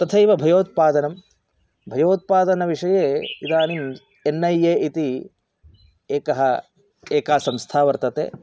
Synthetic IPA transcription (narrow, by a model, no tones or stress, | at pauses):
t̪ɐt̪ʰɐiʋɐbʱɐjoːt̪̚paːd̪ɐnɐm | bʱɐjoːt̪̚paːd̪ɐnɐʋiʂɐjeːid̪aːnin | enːɐjeːit̪i | eːkɐɦɐ | eːkaːsɐmst̪ʰaːʋɐɾt̪ɐt̪ḛː